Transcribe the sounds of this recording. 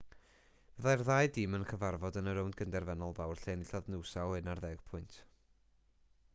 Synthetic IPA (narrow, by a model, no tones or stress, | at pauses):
v̥əðajrðajdimənkʰəvarvɔdənəɾʊwndɡəndɛrvɛnɔlˠðawrɬenɪɬɔðnɨwsawˠɨnarðɛɡ̥pʰʊɨntʰ